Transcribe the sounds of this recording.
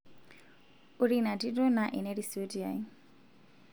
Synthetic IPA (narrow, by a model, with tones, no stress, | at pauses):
uɾina˨di˦dɔ˦naʔɛ˨nɛ˦ɾiso˦di˨a̰˨i